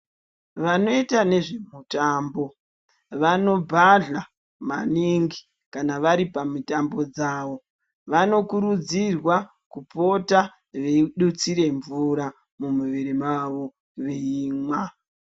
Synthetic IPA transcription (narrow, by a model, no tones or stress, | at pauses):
ʋano̞itane̞ʐe̞mutaːmbo̞ | ʋano̞bʱaɮa | maniŋɡi | kanaʋaɾipamutambo̞d͡zaːʋo̞ | ʋano̞kuɾud͡zirwa | kupo̞ta | ʋeiɗut͡siɾe̞ɱvuɾa | mumuʋiɾemaʋo̞ | ʋeiːmwa